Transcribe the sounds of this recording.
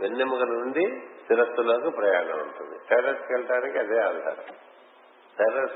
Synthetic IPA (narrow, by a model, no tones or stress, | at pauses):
ʋenːemɐkɐnuɳɖisiɾɐt̪ːuloːkupɾɐjaːnɐmuɳʈund̪isɐjɾɐɾskɛlɐʈaːnikiɐd̪eːaːld̪a̰ːɾɐ̰ | tɐɾɐɾs